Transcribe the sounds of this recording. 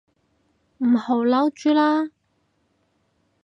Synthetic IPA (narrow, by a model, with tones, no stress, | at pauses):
m̩˨˩ho˨˥wlɐ˨˥wt͡ʃyː˨˥laː˥